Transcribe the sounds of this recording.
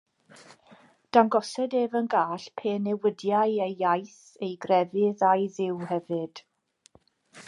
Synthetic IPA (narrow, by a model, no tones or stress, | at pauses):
d̥anɡɔsɛdeːvənɡaːɬpʰeːnɛwədjajejjajθ | ejɡrɛvɪðajðɪwhɛvɨd̥